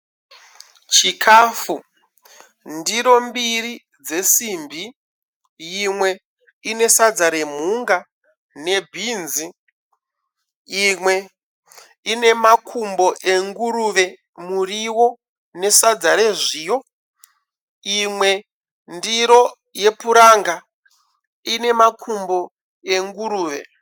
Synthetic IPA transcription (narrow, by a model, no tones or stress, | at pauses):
t͡ʃikʰaːfu | ndiɾo̞mbiri | d͡ze̞simbʱi | jimwe̞ | ine̞sad͡zaɾe̞m̤uŋɡa | ne̞bʱinzi | imwe̞ | ine̞makʰumbo̞ʔeŋɡuɾuʋe̞ | muriwo̞ | ne̞sad͡zaɾe̞ʐiːjo̞ | imwe̞ | ndiɾo̞ | je̞puɾaŋɡa | ine̞makʰumbo̞ | e̞ŋɡuɾuːʋe̞̰